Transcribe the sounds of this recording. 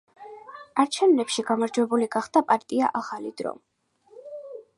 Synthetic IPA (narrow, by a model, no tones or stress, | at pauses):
aɾt͡ʃʰɛvnɛpʃiɡamaɾd͡ʒwɛbuliɡaχd̪apʼaɾt̪ʼia̰ʔaχalid̪ɾɔ̰